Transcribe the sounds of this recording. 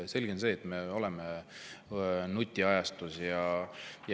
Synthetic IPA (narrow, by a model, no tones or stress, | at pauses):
se̞lʲɡense̞ːt̪ːˑme̞o̞lɛme | nut̪ʲːˑiɑjɑst̪usjɑj